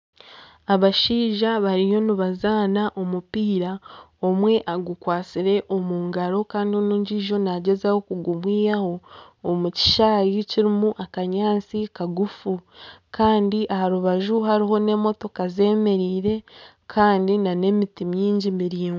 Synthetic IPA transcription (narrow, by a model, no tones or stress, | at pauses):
aβaʃiːʒaβaɾijo̞nuβazaːnaʔomupiːɾao̞mwe̞ʔaɡukwaːt͡siɾe̞ʔo̞muːŋɡaɾo̞kaːndionuːɲɟiːʒo̞naɟe̞zaho̞kuɡumwiːjaho̞ːmuci̥ʃaːjiciɾimuʔakaɲaːnt͡sikaɡufukaːndiʔahaɾuβaʒuɦaɾiɦo̞ne̞ːmo̞to̞kaze̞ːme̞ɾiːɾe̞ | kʰaːndinane̞mitimɲiːɲɟimiɾiːŋu